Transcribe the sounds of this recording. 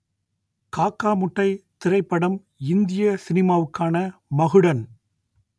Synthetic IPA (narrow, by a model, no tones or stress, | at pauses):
kaːkːaːmʊʈːɐɪt̪ɪɾɐɪpːɐɽɐm | ɪnd̪ɪjɐsɪnɪmaːʋɯkːaːnɐmɐɣɯɽɐn